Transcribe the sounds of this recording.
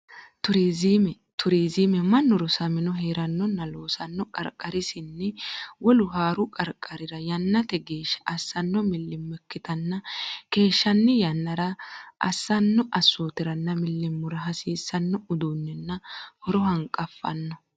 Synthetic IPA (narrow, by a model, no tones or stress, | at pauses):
t̪ʊɾizimɛ | t̪ʰʊɾiːziːmɛmɐnːʊɾɔsɐmɪnɔɦeːɾɐnːɔnːɐlo̞ːsɐnːɔkʼɐ̰ɾkʼːɐɾɪsɪnːɛwɔlʊɦaːɾʊkʼɐɾkʼːɐɾɪɾɐjɐnːɐt̪ɛɡe̞ːʃːɐ̥ʔɐsːɐnːɔmɪlːɪmːɛkːɪt̪ɐnːɐke̞ːʃːɐnːɪjɐnːɐɾɐʔɐ̰sːɐnːɔʔɐsːoːt̪ɪɾɐnːɐmɪlːɪmːʊɾɐɦɐsiːsːɐnːɔʊd̪uːnːɛnːɐhɔɾɔɦɐŋkʼːɐfːɐ̰nːɔ